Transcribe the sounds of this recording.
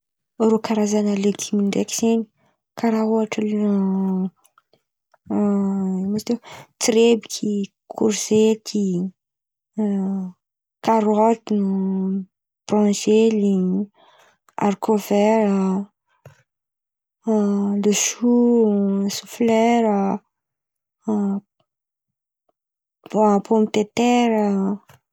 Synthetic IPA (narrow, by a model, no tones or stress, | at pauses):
rokaɾazanəlekʰimiɳɖ͡ʐeki̥z̥eni̥ | kaɾaɦoaʈ͡ʂəl | mat̪ewt͡siɾebikʲʰi | kʰuɾzet̪ʰi | kaɾɔt̪inu | b̥rɑ̃zeli | a̰rkʰovɛɾə | luʃu | suflɛɾə | pʰomt̪et̪ɛɾə